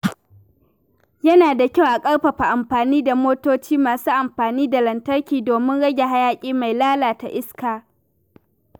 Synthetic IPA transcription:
jɐ˦naː˨da˨kʲa˦wʔa˨kʼɐ˦ɽɸa˨ɸa˨ʔa˨mɸaː˨niː˦da˨moː˦toː˦t͡ʃiː˦maː˨suː˦ʔa˨mɸaː˨niː˦da˨lɐ˨ntɐ˦rkʲiː˨doː˨mɪ˦nɽɐ˦ɡʲe˨ɦa˦jaː˦kʲʼiː˦ma˨jlaː˦laː˨ta˨ʔɪ˦skaː˨

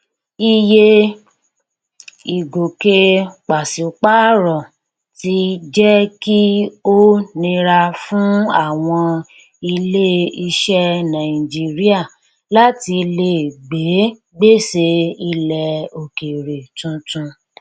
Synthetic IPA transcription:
i˧je˧ | i˨ɡo˨ke˧k͡pa˨si˨˦k͡pa˦ɾɔ˨ | ti˧d͡ʒɛ˦ki˦o˦nĩ˧ɾa˧fũ˦a˦˨w̃ɔ̃˧ | i˧le˦i˧ʃɛ˦nã˨i˨d͡ʒi˦ɾi˦a˦˨ | la˦ti˧le˧˨ɡ͡be˨˦ | ɡ͡be˦˨se˧i˧lɛ˧o˨ke˨ɾe˨tũ˧tũ˧

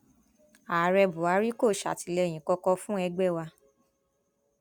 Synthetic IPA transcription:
aː˨ɾɛ˧bu˨a˨˧˦ɾi˦ko˦˨ʃa̰˨ti˨lɛ˧˨j̃ĩ˨kɔ˧kɔ˧fũ˦ɛ˧ɡ͡bɛ˦˨wa˧

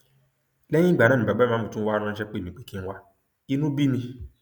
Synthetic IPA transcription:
lɛ̃˦ĩ˦ɡ͡ba˨˦nã˦˨ĩ˨ba˨ɡ͡bɛ˦mãː˨˦mõ˨tũ˦wa˦ɾ̃ã˧n̩˦ʃ̬ɛ˦k͡pe˦˨ĩ˨˦k͡pe˦ki˦n̩˦wa˦ | i˧nũ˦bi˦nĩ˧

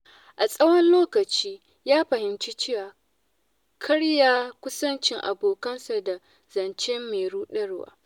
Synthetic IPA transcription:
ʔa˨sʼɐ˦wɐ˦nloː˦kɐ˨t͡ʃiː˦ | jaː˦ɸɐ˨hɪ˨mt͡ʃi˦t͡ʃɪ˦waː˨ | kʰɐ˦ɽjaː˦kʷʊ˦sɐ˦nt͡ʃɪ˦ŋʔa̰˨boː˨kɐ˦nsa˨da˨ | zɐ˨nt͡ʃɛ˦mːeː˨ɽuː˦ɗɐ˦ɽwa̰ː˦

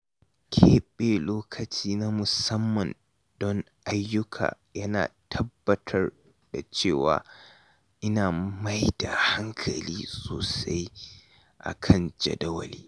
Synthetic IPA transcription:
kʲʰeː˦ɓeː˨loː˦kʰɐ˨t͡ʃiː˦na˦mʊ˨sɐ˦mːɐ˨n | d̥ɔ˦ŋʔa˦jːʊ˦kʰa̰ː˨ | jɐ˦na̰ː˨tʰɐ˦bːɐ˨tʰɐ˦r | d̥a̰˨t͡ʃeː˦˨wa̰ː˨ | ʔɪ˦naː˨ma˦jda˨ha˦ŋkʰɐ̰˨liː˦soː˨sa˦j | ʔa̰˨kʰɐ˦˨nd͡ʒɐ̰˨dɐ˦wɐ̰˨liː˦

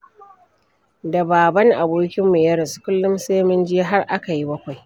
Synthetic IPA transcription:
da˨baː˨bɐ˦ŋʔa˨boː˦kʲɪ˦mːeː˨jɐ˦ɾɐ˨su̥˨˦kʷʊ˦lːʊ˦mseː˦mɪ˦nd͡ʒɪ˦ɦa˦rʔa˦ka˨ji˦bɐ˦kʷa˨j

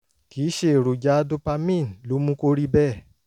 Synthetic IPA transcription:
ki˨˦ʃe˦˨ɾu˨d͡ʒa˦do˦pa˧mĩ˦˨n˨lu˨˦mũ˦ko˦ɾi˦bɛ˦˨

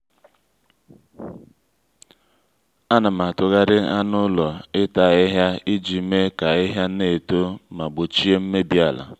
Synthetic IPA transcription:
a˦na˨ma˨tʊ˨ɣa˦ɾɪ˦a˦nʊ˦lɔ˨ɪ˦ta˨ɪ˦ɦja˦i˦d͡ʒi˨˦me˦ka˨ɪ˦ɦja˦ne˨to˦ma˨ɡ͡bʊ˨t͡ʃi˦e˦m̩˦me˦bi˦a˨la̰˨

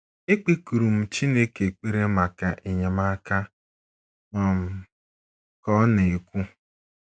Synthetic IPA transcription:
e˦k͡pe˦ku˨ɾu˨m̩˦t͡ʃi˦ne˦ke˨k͡pe˦ɾe˦ma˨ka˨ʔɪ˨ɲa˨ma˦ka˦ | nɔ˦˨m̩˦ | kɔ˦ne˨kʷu˦

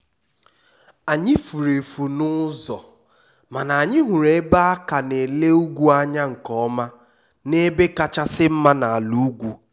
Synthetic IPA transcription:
a˨ɲɪ˦fu˨ɾe˨fu˨nʊ˦zɔ˨ | ma˨na˨a˨ɲɪ˦ɦu˨ɾe˨˦ba˦a˦ka˨ne˨le˦u˦ɡʷu˦a˦ɲa˦ŋ̩˨kɔ˦ma˦ | ne˦be˦ka˦t͡ʃa˦sɪ˦m̩˦ma˦na˨a˨lu˦ɡʷu˦

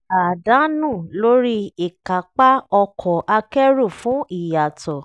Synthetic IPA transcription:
a˨dã˨˦nũ˦˨lo˦ɾi˦i˨ka˨˦k͡pa˦ɔ˧kʰɔ˨ʔa˧kɛ˦ɾu˦˨fũ˨˦i˦˨ja˨tɔ˨

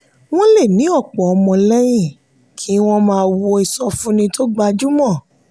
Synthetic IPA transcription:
w̃ɔ̃˦le˦˨nĩ˨˦ɔ˦˨k͡pɔ˨ɔ˧mɔ̃˧lɛ˦j̃ĩ˦˨ | kʰi˨˦w̃ɔ̃˦mãː˦˧wo˧˦i˨sɔ˧fũ˦nĩ˧to˦ɡ͡ba˧d͡ʒu˦mɔ̃˦˨

